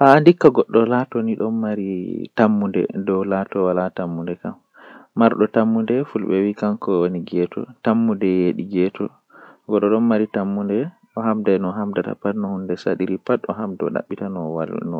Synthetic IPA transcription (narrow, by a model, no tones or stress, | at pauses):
haːndikːaɡɔɗːɔlatɔniɗɔnmaɾitamːundɛ̰dɔwlatɔwalatamːundɛkamː | aɾɗɔtamːundɛfulɓɛwikankɔwoniɡɛtʰɔ̰tamːundɛjeɗiɡɛtʰɔ | ɡɔɗːɔɗɔnmaɾitamːundɛ | ʔɔɦamdajnɔɦamdata̰patnɔhundɛsa̰ɗiɾipatɔɦamdɔ̰ɗa̰ɓːitanɔwa̰nɔ